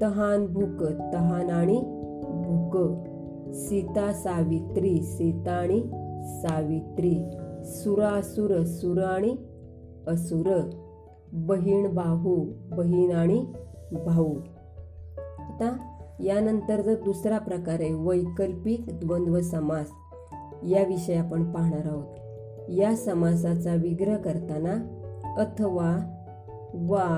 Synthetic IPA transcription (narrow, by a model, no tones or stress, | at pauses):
t̪əɦanbʱukt̪əɦanaɽ̃i | bʱukə | sit̪asaʋit̪ɾisit̪aɽ̃isaʋit̪ɾisuɾasuɾəsuɾaɽ̃i | əsuɾ | bəɦiːɳbaɦubəɦiːɳaɽ̃i | bʱau | at̪ajanənt̪əɾd͡zəd̪usɾapɾəkaɾẽʋəjkəlpiːkd̪ʋənd̪ʋəsəmad͡z | jaʋiɕəjapəɳpaɦɳaɾaʋət̪ | jasəmad͡zat͡saʋiɡɾəkəɾt̪anaət̪ʰəʋa | ʋa